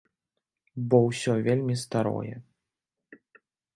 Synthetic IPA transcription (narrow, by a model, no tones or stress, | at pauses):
bɔwsʲɔvʲelʲmʲist̪aɾɔ̰jɛ̰